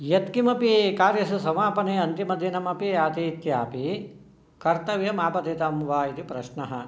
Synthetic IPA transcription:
jɐt̪kimɐpikaːɾjɐsusɐmaːpɐneːɐnt̪imɐd̪ʱjinɐmɐpiaːt̪iːt̪jaːpi | kɐɾt̪ɐʋijɐmaːpɐt̪eːt̪ɐmʋaːit̪ipɾɐʃɳɐɦɐ̰

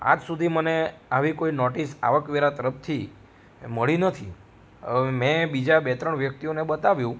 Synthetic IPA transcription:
a̰d͡ʒsud̪ʱiməneaʋikoinɔʈisa̰ʋəkʋeɾat̪əɾəpʰt̪ʰi | məɭinət̪ʰi | mɛ̃bid͡ʒabet̪ɾəɳʋjək̚t̪ionebət̪aʋjũ

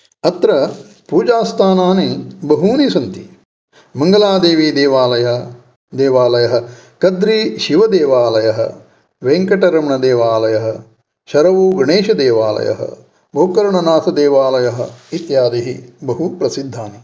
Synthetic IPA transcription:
ɐt̪ɾɐ | puːd͡ʒaːst̪ʰaːnaːnibɐɦuːnisɐnt̪i | mɐŋɡɐlaːd̪eːʋiːd̪eːʋaːlɐjɐ | d̪eːʋaːlɐjɐɦɐ̆ | kɐd̪ɾiʃiʋɐd̪eːʋaːlɐjɐɦɐ̰ | ʋeːŋkɐʈɐɾɐmɳɐd̪eːʋaːlɐjɐɦɐ̰̆ | ʃɐɾɐʋuːɡɳeːʃɐd̪eːʋaːlɐ̰jɐ̰ɦɐ̰ | bʱoːkɐɾɐɳɐnaːt̪ʰɐd̪eːʋaːlɐjɐɦɐ̆it̪jaːd̪iɦibɐɦupɾɐsid̪ʱːaːni

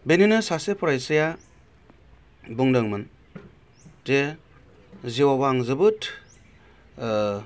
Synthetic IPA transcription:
beninɯsasepʰɔɾajsɯja | buŋdɯŋmɯn | de | ziwawaŋzɯbɯt

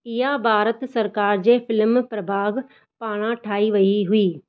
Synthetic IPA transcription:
ɪɦabʱaːɾət̪sɐɾkaːɾd͡ʑeːfɪlmpɾɐbʱaːɡ | paːɽ̃ãʈʰaːiʋɐiɦʊiː

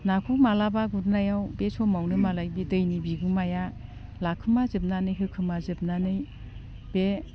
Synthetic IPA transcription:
nakʰukmalabaɡuɾnajawbesʰɔmawnɯmalajbedɯjnibiɡɯmajalakʰɯmazɯp̚nanɯjɦɯkʰɯmazɯp̚nanɯj | b̥e

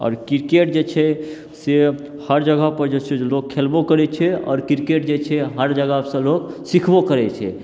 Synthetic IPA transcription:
ɔ̰ːɾkiɾkeʈd͡ʒet͡ʃʰɛ | se | həɾd͡ʒəɡəpəɾd͡ʒet͡ʃʰelokʰːelbokəɾɛt͡ʃʰɛɔ̰ːɾkiɾkeʈ̚d͡ʒet͡ʃʰɛɦəɾd͡ʒəɡəsə̃loksikʰbokəɾɛt͡ʃʰɛ̰

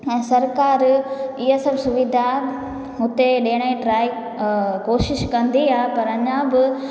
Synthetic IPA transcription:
ɛ̃ːsɐɾkaːɾɪɦasɐbsʊʋid̪ʱa | ɦʊt̪eɗeːɽ̃aĩʈɾaːi | koːʃɪʃkɐ̃nd̪iaːpɐɾɐɲãbɪ

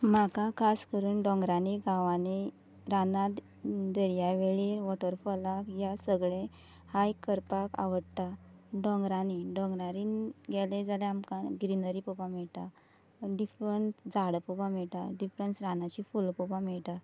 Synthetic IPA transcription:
makakʰaskəɾuːnɖɔ̃ŋɡɾaniɡʱaʋane | ɾana | d̪əɾjaʋeɭiʋɔʈəɾfɔlakjasəɡɭẽ | hajkəɾpaka̰ʋəɽt̪aɖɔ̃ŋɡɾaniɖɔ̃ŋɡɾaɾinɡɛled͡zaleamkaɡɾinəɾipɔpamiɭt̪a | ɖifɾənsd͡zaɽpupamiɭʈ̪aɖifɾənsɾanat͡ɕifulpupamiɭt̪a

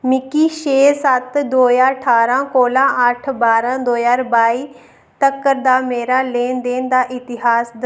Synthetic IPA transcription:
mɪkiːʃeːsət̪d̪oːjãːʈʰaːɾãːkoːlãːʔəʈʰbaːɾãːd̪oːjaːɾbaːiː | t̪əkːəɾd̪aːmeːɾaːleːnd̪eːnd̪aːʔɪt̪ɪɦaːsd̪

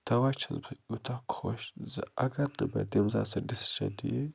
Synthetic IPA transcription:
t̪ʰɐwat͡ʃɨzbɨut̪ʰakʰɨ̥xoʃzɨʔaɡɐɾd̪ɨbɐ̰d̪emza̰sɐd̪isʃɐ̰d̪ije

